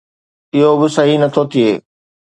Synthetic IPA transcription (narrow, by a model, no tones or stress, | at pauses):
ɪɦobɪsɐɦinɐt̪ʰoːt̪iɦeː